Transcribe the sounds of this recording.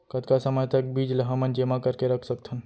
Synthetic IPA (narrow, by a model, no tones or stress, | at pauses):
kət̪ʰkasəməjt̪ək̚bid͡ʒləɦəmənd͡ʒemakəɾkeɾəkʰsəkt̪ʰən